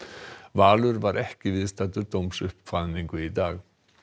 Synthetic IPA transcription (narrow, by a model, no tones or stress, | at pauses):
vaːlʏɾvaɾʔɛhcɪvɪðst̪at̪ʏɾd̪owmsʏhpfaniŋkɵid̪aːɣ